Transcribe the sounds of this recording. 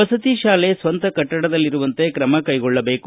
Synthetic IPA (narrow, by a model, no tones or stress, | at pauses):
ɐsɐt̪iʃaːle̞sʋɐnt̪ɐkɐʈːɐɽɐd̪ɐlːiɾuʋɐnt̪e̞kɾɐmɐkɐjɡɔɭːɐbe̞ːku